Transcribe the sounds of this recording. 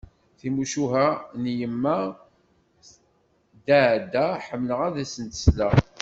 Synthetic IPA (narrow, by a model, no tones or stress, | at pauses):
θimuʃuɦænjəmːæ | d̪aʕd̪æħəmːləʁæðæsənt̪ə̥slæ